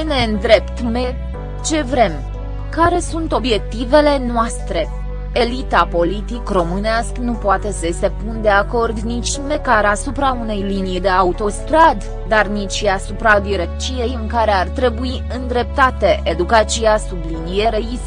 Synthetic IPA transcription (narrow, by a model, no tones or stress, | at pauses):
ine̞ɨnd̪ɾe̞pt̪me̞ | t͡ʃe̞vɾe̞m | kaɾe̞sunt̪o̞bje̞k̚t̪ive̞le̞noast̪ɾe̞ | elit̪apo̞lit̪ikro̞mɨneasknupoat̪e̞səjest̪e̞pund̪e̞ako̞rd̪nit͡ʃʲme̞kaɾasupɾaune̞jlinid̪e̞aut̪o̞st̪ɾad̪ːarnit͡ʃʲasupɾad̪iɾekt͡ʃije̞jɨŋkaɾe̞art̪ɾe̞bui | ɨnd̪ɾe̞p̚t̪at̪e̞ʔed̪ukat̪sijasublinije̞ɾejis